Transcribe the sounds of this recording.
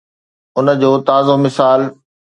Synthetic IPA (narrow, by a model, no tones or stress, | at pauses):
ʊnə̆d͡ʑoːt̪aːzomɪsaːl